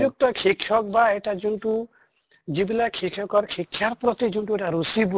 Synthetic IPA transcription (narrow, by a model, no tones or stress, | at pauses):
uk̚tɔkʰikʰjɔk̚baeʈad͡ʒunʈu | d͡ʒibilakʰikʰjɔkɔɾkʰikʰjaɾpɾɔt̪id͡ʒunʈuɛʈaɾusib